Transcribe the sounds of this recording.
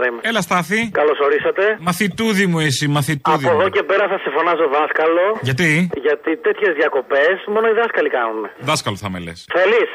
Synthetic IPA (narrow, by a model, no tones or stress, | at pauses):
ɐimelɐst̪ɐθikɐlo̞so̞ɾisɐt̪e̞mɐθit̪uðimuisimɐθit̪uðpoðoce̞pe̞ɾɐθɐsefo̞nɐsoðɐskɐlo̞ʝɐt̪iʝɐt̪it̪e̞t̪çe̞zðʝɐko̞pe̞smo̞noiðɐskɐlikɐnuneðɐskɐloθɐmḛlḛsθelis